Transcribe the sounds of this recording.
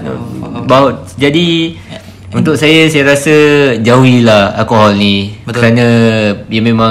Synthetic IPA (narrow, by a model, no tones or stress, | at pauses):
n̰baɦod͡ʒadi | unt̪ʊk̚sajasajaɾasəd͡ʒauilaha̰lkoɦɔlnĩkəɾanə̃jamẽmã